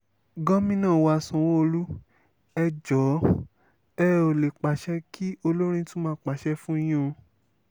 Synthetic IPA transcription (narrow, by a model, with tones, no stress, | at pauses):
ɡɔ̃˦mĩ˦nãː˦˨wa˨˧˨sɔ̃˨wo˦o˧lu˦ | ɛ˧d͡ʒɔ˨˦ | ɛ˦˧o˨le˨k͡pa˨ʃɛ˧ki˦o˧lo˦ɾ̃ĩ˧tũ˦mãː˦k͡pa˨ʃɛ˧fũ˦j̃ũ˦˧